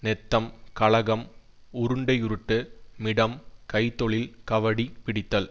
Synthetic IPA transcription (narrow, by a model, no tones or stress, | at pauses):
nɛt̪ːɐmkɐɭɐɣɐm | ʊɾɯɳɖɐɪʊɾɯʈːɯmɪɽɐmkɐɪt̪ːɔɭɪlkɐʋɐɽipɪɽɪt̪ːɐl